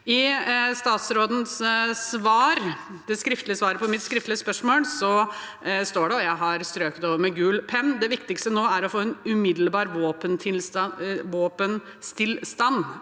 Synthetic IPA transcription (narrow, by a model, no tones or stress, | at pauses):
ɪst̪ɑːt̪sɾoːd̪n̩ssʋɑːɾ | d̪̥ɛskɾɪft̪lɪəsʋɑːɾəpʰɔmɪt̪skɾɪft̪lɪəspœʂmoːlsɔ | st̪oːɖɛɔjæɪɦɑɾst̪ɾøːkt̪oːʋəɾmɛɡʉːlpʰɛnːd̪ɛʋɪkt̪ɪkst̪ənoːæɾɔfoːɛnʉmɪd̪l̩bɑːɾʋoːpənt̪ʰɪlʋoːpən | st̪ʰɪlst̪ɑn